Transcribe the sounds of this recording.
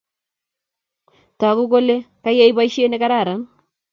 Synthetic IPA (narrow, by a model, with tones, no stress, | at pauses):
ta˨ku˦k̬o˦le˦ka˦je˦i˦ba˦iʃe˦ne˦ka˦ɾa˦˨ɾa˨n